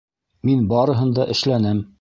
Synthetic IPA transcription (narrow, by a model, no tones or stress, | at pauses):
minbɑɾɤ̆ɦɤ̆nd̪ɑʔɘ̆ʃlænɘm